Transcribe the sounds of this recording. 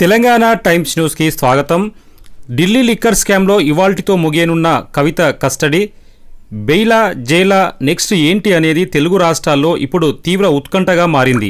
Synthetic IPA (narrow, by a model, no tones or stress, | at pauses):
t̪ɛlɐŋɡaːnaːʈɐjmsnjuːskisʋaːɡɐt̪ɐm | ɖilːiːlikːɐɾskaːmlo̞ːiʋaːlʈit̪o̞ːmuɡeːnunːɐkɐʋit̪ɐkɐsʈɐɽi | bejlaːd͡ʒɛːlaːne̞ksʈe̞ːɳʈiɐne̞ːd̪it̪e̞luɡuɾaːʂʈɾaːlːo̞ːʔipːuɽut̪iːʋɾɐut̪kɐɳʈɐɡaːmaːɾind̪ḭ